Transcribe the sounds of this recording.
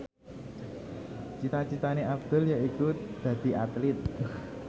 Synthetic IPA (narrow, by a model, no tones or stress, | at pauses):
t͡ʃit̪at͡ʃit̪aneʔabd̪̥ə̤ljaikud̪̥ä̤d̪̥i̤ʔat̪lɪt̪̚